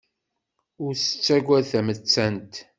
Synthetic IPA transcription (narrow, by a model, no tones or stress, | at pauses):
ʊɾsə̥t͡sːæɡʷæðθæmət͡sːænt̪